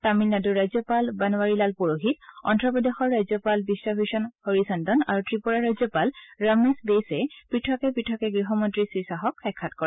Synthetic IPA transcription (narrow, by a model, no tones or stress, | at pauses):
tamilnaduɹːajzjɔpalbanɔwaɹilalpuɹoɦit̚ɔ̰ntɹɔpɔdexɔɹːajzɔpalbisːabʱiʃɔnhoɹisandɔna̰ɹutɹipɔɹaɹajzɔpalɹamesbesɛpɹitʰɔkɛpɹitʰɔkɛɡɹiɦɔmɔntɹisɹisaɦɔkʰːɛkʰːatkɔɹ